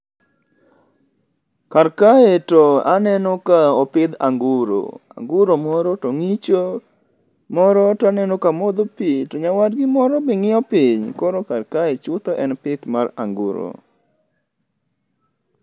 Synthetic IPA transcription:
karkaetɔanɛnɔkaɔpɪd̪a̰ŋɡuɾo̰a̰ŋɡuɾomɔɾɔtoŋit͡ʃo | mɔɾɔtɔanɛnɔkamod̪opitoɲawadɡɪmɔɾɔbɪŋɪɔpɪɲkɔɾɔkarkaet͡ʃʊt̪ɔʔɛnpɪt̪mara̰ŋɡuɾo̰

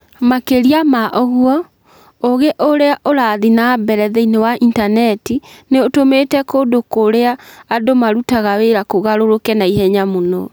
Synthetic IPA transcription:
makeɾiamaʔɔɣwɔ | oɣeʔoɾeaʔoɾaðinabɛɾɛðɛinewaʔintanɛtineotometɛkoːdokoɾeaːdomaɾutaɣaweɾakoɣaɾoɾokɛnaihɛɲamonɔ

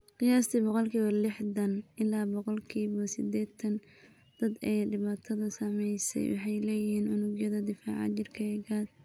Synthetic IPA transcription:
qɪjaːst̪ʰibɔqɔlkʰiːβɐlɪħdɐnʔɪlaːbɔqɔlkʰiːβɔsɪd̪ɛːt̪ʰɐn | d̪̥ɐd̪ɛːɖɪβaːt̪ʰɐðɐsɐmɛjsɛ̰jwɑ̰ħɑjlɛːjɪhiːnʊnʊɡjɐðɐd̪ɪfa̰ːʕɑ̰t͡ʃɪrkʰɐɛɡaːd̪

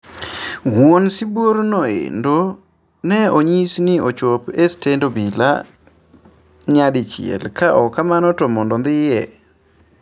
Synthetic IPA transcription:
wonsɪboɾnɔḛndo | nɛoɲisnɪot͡ʃopestendobila̰ | ɲadɪt͡ʃɪ̰ɛ̰lkaʔɔkamanɔtomɔndɔnd̪ɪjɛ

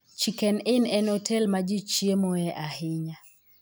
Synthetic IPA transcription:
t͡ʃikɛnɪnɛnɔtʰɛlmad͡ʒit͡ʃiemoɛʔahɪɲa

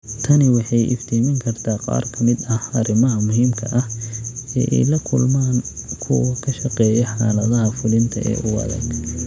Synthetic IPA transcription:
t̪ʰɐnɪwɑħɑjʔɪ̰ft̪ʰiːmɪŋkʰɐrt̪ʰaːqɑ̰ːrkʰɐmɪd̪ɐhɐɾɪmɐɦɐmʊɦiːmkʰɐʔɐhɛ̰ːʔɛ̰jlɐkʰʊlmaːnkʰʊkʰɐʃɐqɛːjɛħɑːlɐðɐɦɐfʊlɪnt̪ʰɐ̰ʔɛ̰ːʔʊwɐ̰ðɐ̰ɡ

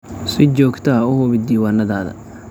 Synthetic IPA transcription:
sɪt͡ʃɔːɡt̪ʰɐʊhʊβɪd̪iːwaːnɐðaːðɐ̰

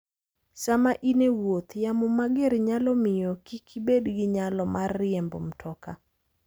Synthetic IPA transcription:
samaʔinewot̪jamomaɡeɾɲalɔmɪjɔkikʰibedɡɪɲalɔmarːɪembo̰m̩tʰɔka

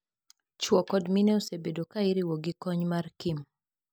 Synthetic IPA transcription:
t͡ʃwɔkɔdmineosebedokaiɾiwɔɡikɔɲmarkim

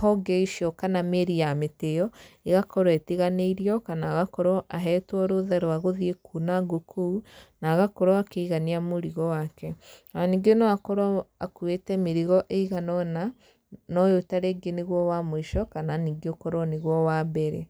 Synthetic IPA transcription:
hɔɡeiʃiɔkanameɾijametejɔeɣakɔɾwetiɣaneiɾiɔkanaːɣakɔɾɔʔaɦɛtwɔɾoðɛɾoaɣoðiekunaɡokʰounaɣakɔɾɔakeiɣaniamoɾiɣɔwakɛaniɡeonɔakɔɾɔakwetɛmeɾiɣɔʔeiɣanɔna | nɔjotaɾeːɡeneɣwɔwamoiʃɔkananiːɡeokɔɾɔneɣwɔwabɛɾɛ̰

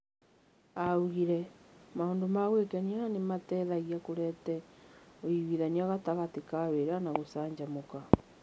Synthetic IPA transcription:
auɣiɾɛmaondomaɣwekɛniaanematɛðaɣiakoɾɛtɛoiwiðaniaɣataɣatekaweɾanaɣosaːɲd͡ʒamoka

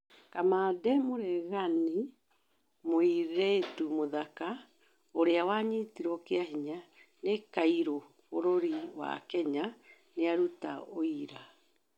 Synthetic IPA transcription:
kamadɛmoɾɛɣani | moiɾetumoðaka | oɾeawaɲitiɾɔkeaɦiɲanekaiɾo | oɾoɾiwa̰kɛɲa | neaɾuta̰oiɾa

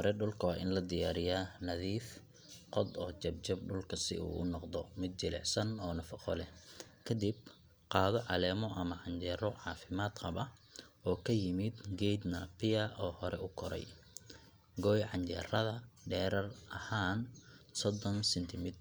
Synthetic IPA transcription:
hɔɾɛɖʊlkʰɐwːʔɪnlɐd̪ɪjaːɾɪjaːnɐðiːf | qɔd̪ɔːt͡ʃɐb̚t͡ʃɐbɖʊlkʰɐsɪ̰ṵːʔʊnɔqd̪ɔmɪd̪̚t͡ʃɪlɛ̰ʕsɐnɔːnɐfɑqɔ̰lɛkʰɐd̪ib | qɑːðɔʕɑlɛːmɔʔɐmɐʕɑɲt͡ʃɛrɔʕɑːfɪmaːd̪qɑbɐʔɔːkʰɐjɪmɪd̪ɡɛjd̪nɐpɪjɐʔɔːhɔɾɛʊkʰɔɾɛ̰j | ɡɔːjʕɑɲt͡ʃɛ̰rɐðɐɖɛːɾɐrʔɐhaːnsɔd̪ɔnsɛnt̪ʰɪmɪt̪

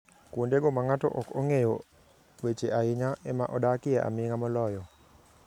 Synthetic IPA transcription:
kwondeɡomaŋatɔ̰ʔɔkoŋejo | wet͡ʃeaɪɲaʔɛmaʔɔdakɪɛʔa̰mɪŋamɔlɔjɔ

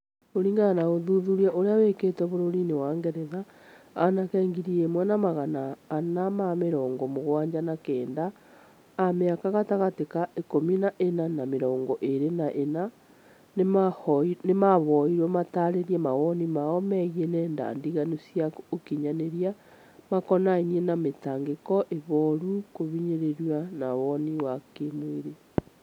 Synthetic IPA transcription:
oɾiːŋɡanaɣoðuðuɾjaʔoɾeaweketɛβoɾoɾinewaːŋɡɛɾɛða | anakɛŋɡiɾiemwɛnamaɣanaːnamameɾɔːŋɡɔmoɣwaːɲd͡ʑanakɛːndaː | meakaɣataɣatekaekominaʔenanameɾɔːŋɡɔʔeɾenaʔena | n | nemaβɔiɾwɛmataɾeɾjemawɔnimaɔmɛɣienɛːnda̰ndiɣanosjakokiɲaneɾia | makɔnainienametaŋɡekɔʔeβɔɾukoβiɲeɾeɾwanaβɔniwakemweɾe

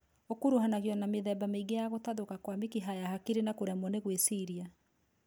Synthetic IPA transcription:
okuɾuɦanaɣjɔnameðɛbameiɡejaɣotaðokakwamekiɦajahakiɾenakoɾɛmwɔneɣwesiɾia

